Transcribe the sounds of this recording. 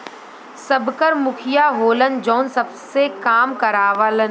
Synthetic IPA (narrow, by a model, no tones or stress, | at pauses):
sɐbkəɾmʊkʰɪjaɦoːlənd͡ʒɔːnsɐbsekaːmkɐɾaːʋələn